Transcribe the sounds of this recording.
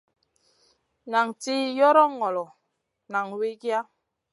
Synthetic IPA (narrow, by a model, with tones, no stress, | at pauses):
na˨ŋtiː˦jɔ˦ɾɔ˦ŋɔ˨lɔ˨ | na˨ŋwe˦kja˦